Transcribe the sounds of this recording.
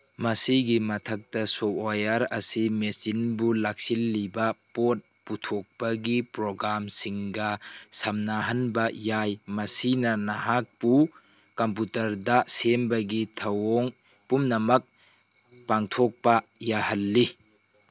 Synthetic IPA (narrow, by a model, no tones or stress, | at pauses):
mɐsiɡimɐtʰɐk̚tɐsɔpojɐɾɐsimesinbulak̚silːibɐpot̚putʰok̚pɐɡipɾoɡɾamsiŋɡɐsɐmnaɦɐnbɐjajmɐsinɐnɐɦak̚pu | kɐmp̬utɐɾdɐsembɐɡitʰɐwoŋ | pumnɐmɐk̚ | paŋtʰɔk̚pɐjahɐlːi